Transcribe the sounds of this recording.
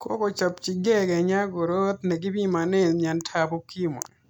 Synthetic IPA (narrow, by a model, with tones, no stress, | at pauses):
ko̰˦kɔ˨t͡ʃa˨pt͡ʃi˨ɡɛ˦ɡɛ˨ɲa˦ɡo˨ɾo˦t̪nɛ˨ɡɪ˦bi˦ma˨nɛ˦˨m˨a˨ntʰabo˦ki˦mo̰˨